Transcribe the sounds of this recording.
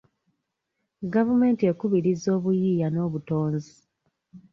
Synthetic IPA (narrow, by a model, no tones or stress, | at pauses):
ɡavume̞ːntie̞kuβiɾizo̞ːβujiːjano̞ːβuto̞ːnzi